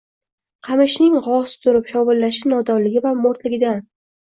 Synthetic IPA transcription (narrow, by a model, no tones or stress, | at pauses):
qʰɑmɪʃnɪŋʁɒsɪ̥zʰʊɾɪpʃɒwʊlːaʃɪnɒd̪ɒɾlɪɡʲɪvamoɾt̪lɪɡʲɪd̪an